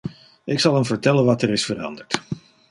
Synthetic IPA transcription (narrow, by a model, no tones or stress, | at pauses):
ɪksɑlˠɦəmvəɹtɛlənʋɑtɛɾɪsfərɑ̰ndəɹt